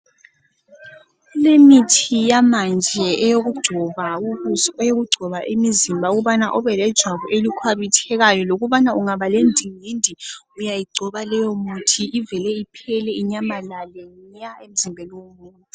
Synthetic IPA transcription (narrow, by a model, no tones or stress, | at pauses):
ulemitʰijamand͡ʒʱɛʔɛjoɣud̥ʒ̥ʱɔβauɣuɔɛjoɣuɡ͡ǀʱɔβaʔemizimbʱauɣuβanaʔɔβɛlɛd̥ʒ̥ʱwaβuʔelikʰwaβitʰɛɣajɔloɣuβanauŋaβalendʱiŋindʱi | ujajiɡ͡ǀʱɔβalɛjɔmutʰiʔivɛlɛipʰɛlɛiɲamalalɛaem̩zimbʱɛlwomuːntʼi